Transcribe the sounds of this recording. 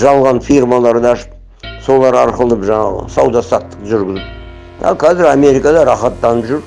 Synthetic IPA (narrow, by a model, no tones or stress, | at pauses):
ʒɑlˠʁɑnfirmɑlˠɑɾd̪ɑɑʃə̥p̚ | so̞lˠɑɾɑɾqəlˠəpʒɑɴɑʁə̰sɑwd̪ɑsɑt̪ːə̥qʒʏɾɡʲɪzɪp̚ | ɑ̰lˠkʰɑzɪɾame̞ɾijkɑd̪ɑɾɑχɑt̪ːɑnəpʒʏɾ